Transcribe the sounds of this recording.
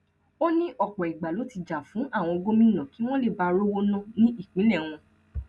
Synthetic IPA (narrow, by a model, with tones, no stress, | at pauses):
o˦nĩ˦ʔɔ˨k͡pɔ˨i˨ɡ͡ba˨lo˨˦ti˧d͡ʒa˨fũ˨˦ʔa˦˨w̃ɔ̃˧o˧ɡo˦mĩ˦nã˨ki˨˦w̃ɔ̃˦le˦˨ba˧ɾo˦wo˦nã˦nĩ˦ʔi˦˨k͡pĩ˨˦lɛ˦˨w̃ɔ̃˧